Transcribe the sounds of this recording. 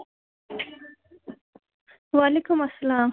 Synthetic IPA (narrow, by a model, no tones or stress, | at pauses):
wɑlekʊmasːalɑːm